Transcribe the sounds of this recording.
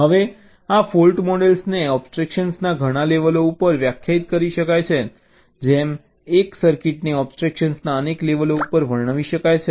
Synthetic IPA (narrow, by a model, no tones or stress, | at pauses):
ɦəʋe | afolʈmɔɽelsneɔbsʈɾekʃənsnaɡʱəɽ̃aleʋəloupəɾʋjakʰjait̪̚kəɾiʃəkajt͡ʃʰe | d͡ʒem | eksəɾkiʈniɔbsʈɾekʃənsnaənekleʋəloupəɾʋəɭɳəʋiʃəkajt͡ʃʰe